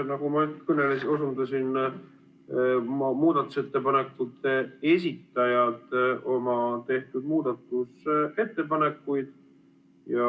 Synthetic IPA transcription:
nɑɡ̥umɑnyt̪kɵnelesos̬und̪ɑsin | mmuːd̪̥ɑt̪ːˑu̥se̞t̪ːe̞pɑne̞kːut̪ːee̞s̬ʲit̪ːˑɑjɑd̪̥ʔo̞mɑt̪e̞ht̪ud̪̥muːd̪̥ɑt̪ːˑuse̞t̪ːe̞pɑne̞kːujd̪̥ | jɑ

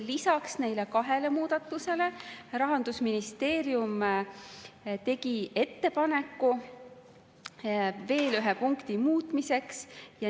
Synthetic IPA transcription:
lisɑksne̞jle̞kɑɦe̞le̞muːd̪̥ɑt̪ːˑuse̞le̞rɑɦɑnd̪̥usminist̪e̞ːɾjum | t̪e̞ɡie̞t̪ːe̞pɑne̞kːu | ve̞ːlyɦepuŋkt̪imuːt̪mise̞ksjɑ

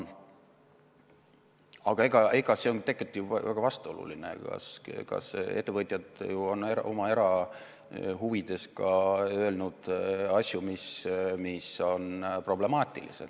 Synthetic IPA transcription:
ɑɡ̥ɑe̞ɡ̥ɑeɡɑse̞ont̪e̞kːˑet̪ːjuvæɡ̥ɑvɑst̪oo̞lṵlinḛkɑ̰skɑ̰se̞t̪ːe̞vɤt̪ʲˑjɑd̪̥juo̞neɾʔo̞mɑe̞ɾɑ | ɦuvid̪̥e̞skɑøe̞lnud̪̥ɑsʲjumismiso̞npro̞ble̞mɑːt̪ʲːˑḭlḭsḛd̪

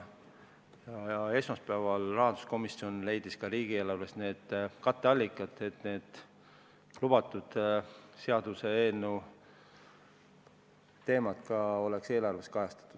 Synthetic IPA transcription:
jɑjɑe̞smɑspæːvɑlrɑɦɑnd̪usko̞misio̞nle̞jd̪̥iskɑɾiːɡ̥ieːlɑvlesne̞ːd̪̥kɑt̪ːˑeɑlʲːikˑːɑt̪ːˑe̞t̪ne̞ːd̪̥ | lub̥ɑt̪ːˑud̪̥se̞ɑd̪̥use̞eːlnu | t̪e̞ːmɑt̪kɑo̞le̞kse̞ːlɑrve̞skɑjɑst̪ɑ̥t̪ːˑud̪̥

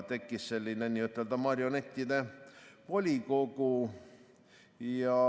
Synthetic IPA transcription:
t̪e̞kːisse̞lʲːinenʲiːyt̪ːˑe̞ld̪ɑmɑɾjo̞net̪ʲːid̪e̞vo̞lʲiko̞ɡ̥u | jɑ

